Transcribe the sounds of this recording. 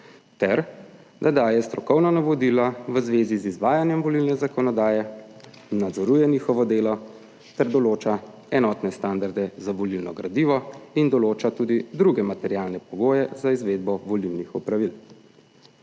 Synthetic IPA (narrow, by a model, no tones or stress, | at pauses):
t̪ɛɾ | d̪ad̪aːjɛst̪ɾɔkɔwnanaʋɔd̪ilaʋəzʋeːzizizʋaːjanjɛmʋɔlilnɛzakɔnɔd̪aːjɛ | nːad̪zɔɾuːjɛniːxɔʋɔd̪eːlɔ | t̪ɛɾd̪ɔloːt͡ʃa | ɛnɔt̪nɛst̪and̪aɾd̪ɛzaʋɔlilnɔɡɾad̪iʋɔind̪ɔloːt͡ʃat̪ud̪id̪ɾuɡɛmat̪ɛɾjaːlnɛpɔɡoːjɛzaizʋeːd̪̚bɔʋɔliwnixupɾaʋil